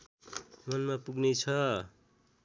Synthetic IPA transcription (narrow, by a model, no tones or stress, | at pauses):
mʌnmapuɡnet͡sʰʌ